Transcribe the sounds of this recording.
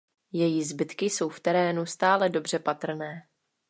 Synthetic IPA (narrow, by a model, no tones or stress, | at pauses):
jɛjizbɪt̪kɪso̞wft̪ɛɾɛːnust̪aːlɛdo̞br̝ɛpat̪r̩nɛː